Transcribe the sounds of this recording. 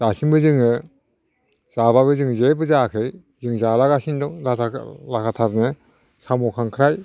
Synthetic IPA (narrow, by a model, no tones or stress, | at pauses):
z̥asinbɯzɯŋɯ | z̥ababɯzɯŋzebɯzakʰɯj | zɯŋzalaɡasindɔdatʰalakʰatʰaɾne | samɔkʰaŋkʰɯɾaj